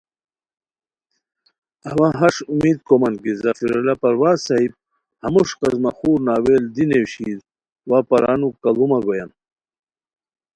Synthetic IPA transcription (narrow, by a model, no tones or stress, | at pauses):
ɐwaɦɐʂumiːd̪̚komɐnd̪ɡizafiɾalapɐɾwaːsaɦib̚ | hɐmuʂqɐzmaxuːɾnaːweːld̪inewɕiːd̪ | waːpɐɾaːnukɐlumaɡojan